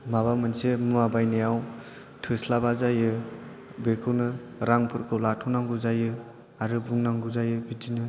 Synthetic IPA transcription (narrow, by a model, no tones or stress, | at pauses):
maβamɯnsemɯmabajnajaw | tʰɯslabazajɯ | bekʰɯwnɯɾaŋpʰɯɾkʰɯlatʰɔnaŋɡuzajɯ | aɾɯbuŋnaŋɡuzajɯbidinɯ